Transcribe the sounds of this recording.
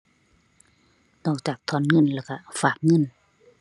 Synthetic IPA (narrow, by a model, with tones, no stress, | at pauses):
nɔː˧˩k̚t͡ɕaː˨˩k̚t̪ʰɔː˧˥˨nŋɤ˧˥˨nlɛː˧˩wka˧˩faː˨˩k̚ŋɤ˧˥˨n